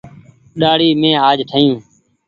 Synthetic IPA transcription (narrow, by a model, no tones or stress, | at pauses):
ɗaːɽiːmẽːaːd͡ʒʈʰəjũː